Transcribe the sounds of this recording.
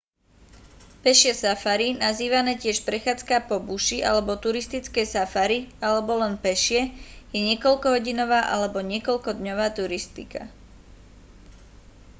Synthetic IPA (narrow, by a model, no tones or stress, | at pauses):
pɛʃɪɛsafaɾinaziːʋanɛːcɪɛʃpɾɛxaːt͡skapɔbuʃiʔa̰lɛbɔt̪uɾist̪it͡skɛjsafaɾialɛbɔlɛnpɛʃɪɛjɛɲɪɛkɔʎkɔɦɔɟinɔʋaːʔalɛbɔɲɪɛkɔʎkɔd̪ɲɔʋaːt̪uɾist̪ika̰